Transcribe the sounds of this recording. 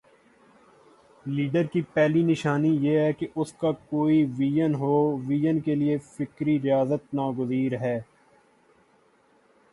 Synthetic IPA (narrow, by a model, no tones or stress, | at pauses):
liːɖəɾkipɛːlinɪʃaːnijeːɦɛkeʔʊskakoːiʋiːjənɦoːʋiːjənkeliefɪkɾiɾɪjaːzət̪naːɡʊziːɾɦɛː